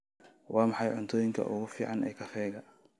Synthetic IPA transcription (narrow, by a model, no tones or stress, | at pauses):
wɑːmɑħɑjʕʊnt̪ʰɔːjɪŋkʰɐ̰ʔʊɣʊfiːʕɑnɛjkʰɐfɛːɣɐ